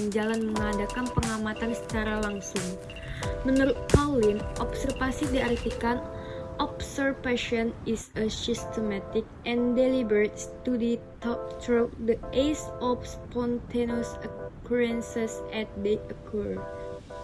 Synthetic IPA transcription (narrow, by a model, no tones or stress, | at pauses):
nd͡ʒalanməŋadakanpəŋamat̪ansə̥t͡ʃaɾalaŋsʊŋ | mənuɾʊt̪̚kalɪnʔɔpsərfasidiart̪ikan | ʔɔbsərfaʃiɔnɪsəsist̪əmat̪ɪk̚ʔɛ̃ndelibəɾet̪̚st̪udət̪ɔp̚t̪ɾodəʔesɔfspɔnt̪ʰenosəkʰuɾənsɛsɛt̪̚deəkʰɔrd